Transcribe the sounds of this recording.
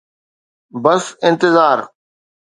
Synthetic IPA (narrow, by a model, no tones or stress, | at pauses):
bɐsɪ̃nt̪ɪzaːɾ